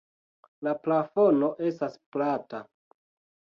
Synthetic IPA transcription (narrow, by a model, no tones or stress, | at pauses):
laplafo̞no̞ʔe̞stasplata